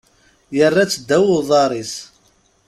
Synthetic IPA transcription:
jərˤːat͡sːəd̪ːæwʊðˤɑɾˤis

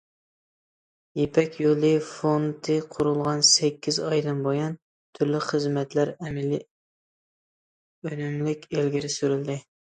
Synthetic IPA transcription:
jepʰɛkʲjolˠɨfont̪ʰɨqʰʊɾulˠʁɑnsɛkʲːizɑjd̪ɨnbojɑn | t̪ʰyɾlɪχəzmɛt̪læɾɛmɪlɪ | ønymlɪkʲelɡʲiɾɪsyɾyld̪ɪ

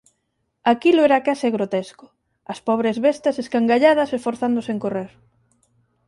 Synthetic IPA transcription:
akilʊɛɾakasɪɣɾot̪eskʊ̥ | ɐspɔβɾezβest̪ɐseskaŋɡaʎaðɐsesfoɾθand̪ʊseŋkoreɾ

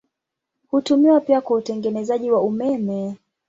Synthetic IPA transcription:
hutumiwapiakwautɛŋɡɛnɛzaʄiwaumɛmɛ

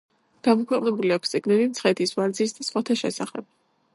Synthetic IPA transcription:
ɡ̥amɔkʰwɛqʼnɛbuliakʷwst̪ʼiɡnɛlimt̪sʰχɛt̪ʰisvaɾd̪zisd̪asχwat̪ʰaʃɛ̰saχɛb̥̚

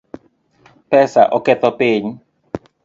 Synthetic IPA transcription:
pɛsaʔɔkɛt̪ɔpeːɲi

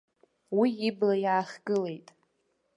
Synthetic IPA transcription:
wiːblajaːχʲɡɨle̞jtʼ

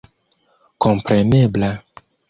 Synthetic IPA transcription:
kõmpɾemebla

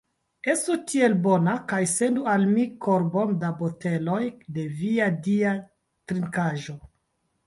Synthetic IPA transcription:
e̞stutʰie̞lbo̞nakajse̞ndualmikʰo̞ɾbo̞ndabo̞te̞lo̞jde̞viadia | tɾiŋkaʒo̞

